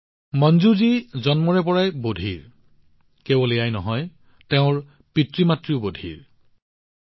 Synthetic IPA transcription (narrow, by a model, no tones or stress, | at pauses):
mɔnzuzizɔnmɔɹɛpɔɹajbodʱiɹ | kebɔlijajnɔɦɔj | tɛʊ̃ɹ | pitɹimatɹiʊbodʱḭɹ